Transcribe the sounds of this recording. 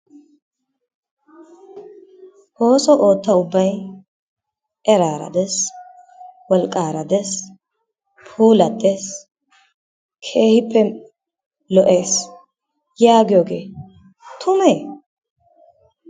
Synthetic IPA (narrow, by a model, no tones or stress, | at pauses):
ho̞ːsɔʔo̞ːt̪ːɐʊbːɐj | ʔɛɾaːɾɐ̰d̪ɛs | wɔlkʼːaːɾɐd̪ɛs | pʰuːlɐd̪es | kʰe̞ːhɪpʰːɛ | lɔʔe̞ːs | jaːɡɪjoɡe̞ː | t̪ʰʊmeː